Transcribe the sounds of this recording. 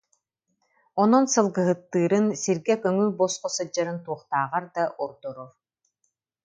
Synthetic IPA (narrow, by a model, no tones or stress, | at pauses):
ɔnɔnsɯlˠɡɯɦɯt̪ːɯːɾɯnsiɾɡɛkøŋybɔsqɔsɯd͡ʑaɾɯnt̪uɔχt̪aːʁaɾd̪aʔɔɾd̪ɔɾɔɾ